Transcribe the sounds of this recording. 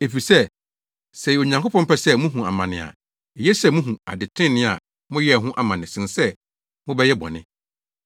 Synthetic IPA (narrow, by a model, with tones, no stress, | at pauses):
e˨fi˨sɛ˦˨ | sɛ˨o˨ɲã˨ŋkʰo˦pʰɔ̃˦mpɛ˦sɛ˦mũ˦ɦũ˨a˨mã˨nɪ̰̃˨a̰˨ | e˨jɛ˦sɛ˦˨mũ˦ɦũ˨a̰˨dɪ˨tʰɪ̃˦nɪ̃˦a˨ | mʊ̃˦jɛ˦˨ɦʊ̃˦ʔa˨mã˨nɪ̃˨sɪ̃˨n˨sɛ˦ | mʊ̃˦bɛ˦jɛ˦bɔ̰̃˨nɪ̰̃˦